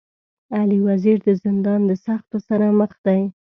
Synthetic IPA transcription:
aliwaziɾd̪əzɪnd̪ɑnd̪əsaxt̪osaɾaməxd̪aj

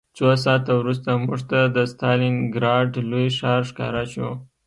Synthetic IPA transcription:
t͡sos̬ɑt̪awɾust̪amuʐt̪ad̪əst̪ɑlɪnɡɾɑɖlojʃɑɾʂkɑ̰ɾaʃo

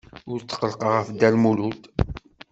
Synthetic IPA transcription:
ʊɾt͡sːə̥qːəlqəʁəfd̪ælmulut̪

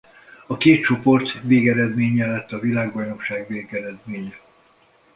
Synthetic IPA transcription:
ɒkeːt̪̚t͡ʃo̞po̞rt̪veːɡɛɾɛd̪meːɲɛlɛt̪ːɒvilaːɡbɒjno̞kʃaːɡveːɡɛɾɛd̪meːɲɛ

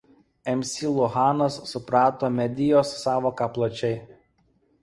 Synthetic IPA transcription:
ɛmʲsʲiːlˠʊɦɑːnɐsːʊpɾɑːt̪oːmʲɛd̪ʲɪjoːsːɑːʋoːkɑplˠɐt͡ʃʲɛɪ

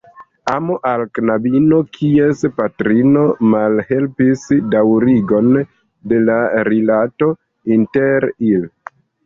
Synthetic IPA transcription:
amoʔalknabino̞kʰiespatɾino̞malhe̞lpisdawɾiɡo̞n | de̞laɾilato̞ | inteɾil

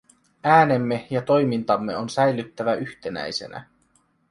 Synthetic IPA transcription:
æːne̞mːejɑt̪o̞jmint̪ɑmːe̞o̞nsæjlyt̪ːæʋæyçt̪e̞næ̰jse̞̰næ̰

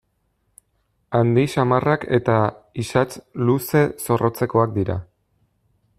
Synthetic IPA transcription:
and̪isamarakʰe̞t̪aisat͡sluse̞so̞ro̞t͡se̞ko̞ak̚d̪iɾa̰

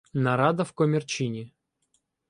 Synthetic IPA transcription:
naɾad̪ɐfkomʲɪrt͡ɕinʲɪ

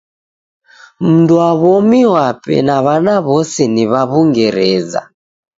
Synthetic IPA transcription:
m̩nduaβɔmiwapɛ̰naβanaβɔsɛniβaβuŋɡɛɾɛza̰

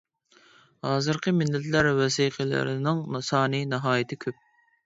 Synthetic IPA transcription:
hɑːzɨɾqʰəmɪlːɛt̪læɾwɛsiːqʰəlɪ̰ɾɪnɪŋsɑːnɨnɨɦɑːjit̪ʰɪkʲʰøp̚

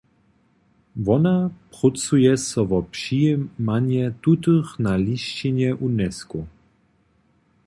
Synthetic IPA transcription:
vɔnapʁut͡sujɛsɔvɔpʂimaɲjɛt̪ut̪ɨxnaliʃt͡ɕinjɛʔunɛsku

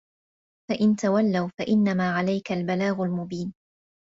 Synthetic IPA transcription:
faʔɪnt̪awalːawfaʔɪnːamaːʕalajkalbalaːɣʊlmʊbiːn

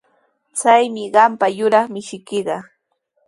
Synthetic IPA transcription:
t͡sajmɪɢɑmpajʊɾɑχmɪʃɪkɪɢɑ

